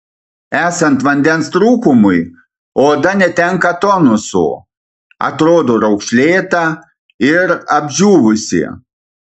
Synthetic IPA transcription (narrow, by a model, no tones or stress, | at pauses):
æːsɐnt̪ʋɐnʲd̪ʲɛnst̪ɾuːkʊmʊj | oːd̪ɐnʲɛt̪ʲɛŋkɐt̪ɔnʊso̰ː | ɐ̰t̪ɾoːd̪oːɾɐʊkʃʲlʲeːt̪ɐ | ɪɾɐbʲʒʲuːʋʊsʲḭ